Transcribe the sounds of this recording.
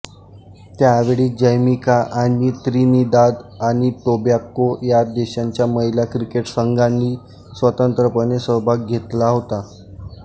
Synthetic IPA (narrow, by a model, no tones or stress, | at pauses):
t̪jaʋeɭiːd͡ʑəjmikaʔanit̪ɾinid̪ad̪aɽ̃it̪objakːojad̪eɕaɲt͡ɕjaməɦiljakɾikeʈsəŋɡanːiː | sʋət̪ənt̪ɾəpənesəbʱaɡ̚ɡʱet̪laɦot̪a